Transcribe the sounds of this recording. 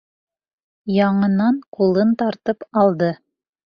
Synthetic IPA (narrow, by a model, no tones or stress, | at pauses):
jɑɴɤ̆nɑɴqulˠɤnt̪ɑɾt̪ɤpɑlˠd̪ɤ